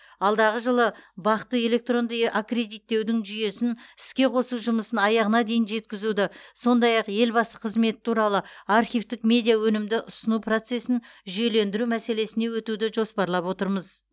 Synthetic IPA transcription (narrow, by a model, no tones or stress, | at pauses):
ɑlˠd̪ɑʁəʒəlˠəbɑqt̪əe̞le̞k̚t̪ro̞nd̪əjʔakre̞d̪ijt̪ːe̞wd̪ɪŋʒʏje̞sɪnɪskʲe̞qʰo̞suʒʊməsənɑjɑʁənɑd̪e̞jɪnʒe̞t̪̚kʲɪzud̪ɪso̞nd̪ɑjɑqje̞lbɑsəqʰəzme̞t̪ɪ̥t̪ʰuɾɑlˠəɑrχijvt̪ɪkmʲe̞d̪ijawɵnɪmd̪ɪʔʊsənupro̞t̪se̞sɪnʒʏje̞le̞nd̪ɪɾumæse̞le̞sɪne̞wɵt̪ud̪ɪʒo̞spɑɾlˠɑpwo̞t̪əɾməz